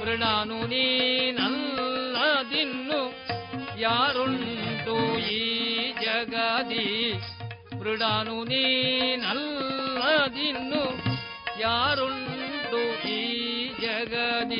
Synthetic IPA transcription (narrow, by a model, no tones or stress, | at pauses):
ʋɾiɽaːnuninɐlːɐd̪inːu | jaːɾuɳʈujid͡ʒɐɡɐd̪i | ʋɾiɽaːnuninɐlːɐd̪inːu | jaːɾuɳʈuid͡ʒɐɡɐd̪i